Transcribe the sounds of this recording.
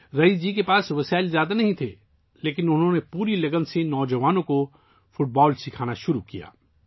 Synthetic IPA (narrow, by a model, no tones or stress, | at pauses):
ɾɐid͡ʒiːk̬epaːsʋɐsaːɪlzjaːd̪anɐɦĩt̪ʰeː | leːkɪnʊnɦõnepuːɾilɐɡənsenɔːd͡ʒɐʋaːnõko | fʊʈ̚bɔːlsɪkʰaːnaʃʊɾukija̰ː